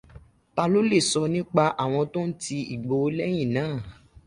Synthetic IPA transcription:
ta˧lo˦le˦˨sɔ˧nĩ˦k͡pa˧ʔa˨w̃ɔ̃˧to˦n̩˦ti˧ḭ˨ɡ͡bo˨˦lɛ˦j̃ĩ˦˨nãː˨˦˨

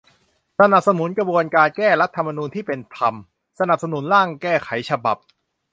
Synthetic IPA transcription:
sa˧na˨˩p̚sa˧nu˩˦nkɾa˧bu˧ənkaː˧nkɛː˥˩ɾa˦˥t̪ʰːa˧mːa˧nuː˧nt̪ʰiː˥˩pe˧nt̪ʰa˧m | sa˧na˨˩p̚sa˧nu˩˦nɾaː˥˩ŋkɛː˥˩kʰa˨˩˦jt͡ɕʰa˧ba̰˨˩p̚

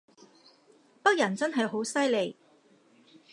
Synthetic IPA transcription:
pɐ˥k̚jɐ˨˩nt͡sɐ˥nɦɐ˨jɦo˨˥wsɐ˥jle˨j

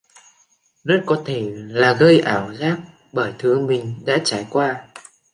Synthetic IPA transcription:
zə˦˥t̚kɔ˨˦t̪ʰe˧˩laː˨˩ɣə˧jʔaː˧˩wzaː˦˥p̚ | ɓəː˧˩jt̪ʰɨ˨˦əmï˨˩ŋ̟ɗa̰ː˧˥t͡ɕaː˨˩jkwaː˧

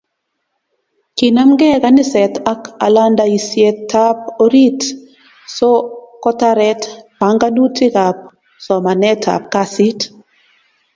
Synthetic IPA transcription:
ki˨na˦mɡɛ˦ka˦nɪ˦sɛ˨ta˦ka̰˨la˦ndai˨sje˦tːa˦p̚o˦ɾi˦t | sɔ˦kɔ˦ta˦ɾɛ˦tpa˨˦ŋɡa˦nu˦ti˦ka˨p̚ | sɔ˨ma˨nɛ˦tʰa̰˨p̚ka˦si˦t

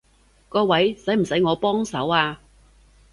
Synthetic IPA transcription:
kɔː˧wɐ˨˥jsɐ˨˥jm̩˨˩sɐ˨˥jŋɔː˨˧pɔː˥ŋsɐ̰˨˥waː˧

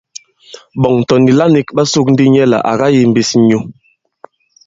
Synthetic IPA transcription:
ɓɔ˨ŋ̩˨tɔ˨ndi˨la˦ni˨kɓa˦su˦k̚n̩˦di˦ɲɛ˦la̰˨ʔa̰˨ɣa˦ji˨m̩˨bi˨sɲu˨

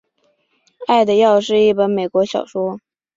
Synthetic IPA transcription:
a˥˩ɪd̪ə˩jɑ˥˧ʊʂɻ̩˥˧i˥˩pə˧˥nme˨˩ɪkwɔ˧˥ɕjɑ˨˩ʊʂwɔ˥

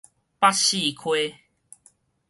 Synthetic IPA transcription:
pa˦ɕi˥˨kʰwe˦

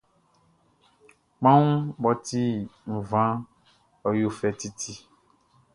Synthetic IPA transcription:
mã˦ŋ˦bɔ˦t̪i˦ŋ̩˨vã˦ | ɔ˨jo˦fɛ˨t̪i˦t̪ʰi˦

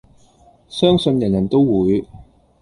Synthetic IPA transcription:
sœː˥ŋsɵ˧njɐ˨˩njɐ˨˩nt̪o˥wwuː˨˧j

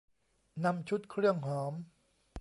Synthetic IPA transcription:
na˧mt͡ɕʰu˦˥t̪̚kʰɾɯ˥˩əŋɦɔː˩˦m

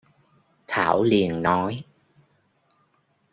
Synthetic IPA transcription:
t̪ʰaː˧˩wli˨˩ənnɔ˨˦j

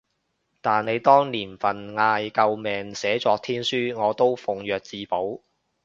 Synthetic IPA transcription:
t̪aː˨nne˨˧jt̪ɔː˥ŋliː˨˩nfɐ˨nŋaː˧jkɐ˧wmɛː˨ŋsɛː˨˥t͡sɔː˧k̚t̪ʰiː˥nsyː˥ŋɔː˨˧t̪o˥wfʊ˨ŋjœː˨k̚t͡siː˨˧po˨˥w

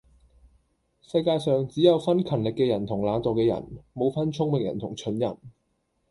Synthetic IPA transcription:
sɐ˧jkaː˧jsœː˨ŋt͡siː˨˥jɐ˨˧wfɐ˥nkʰɐ˨˩nlɪ˨kːɛː˧jɐ˨˩nt̪ʰʊ˨˩ŋlaː˨˥t̪o˨wkɛː˧jɐ̰˨˩nmo˨˧wfɐ˥nt͡ʃʰʊ˥ŋmɪ˨ŋjɐ̰˨˩nt̪ʰʊ˨˩ŋt͡ʃʰɵ˨˥njɐ˨˩n

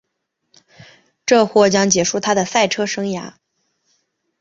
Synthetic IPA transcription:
ʈ͡ʂɤ˥˧xwɔ˥˩t͡ɕjɑ˥ŋt͡ɕjɛ˨˩ʂu˥˩t̪ʰa˥d̪ə˨sa˥˩ɪʈ͡ʂʰɤ˥ʂɤ˥ŋja̰˧˥

